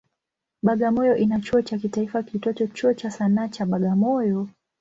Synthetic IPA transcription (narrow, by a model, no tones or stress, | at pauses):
ɓaɠamɔjɔʔinat͡ʃuɔt͡ʃak̬itaifakitɔtɔt͡ʃuɔt͡ʃasanaːt͡ʃaɓaɠamɔjɔ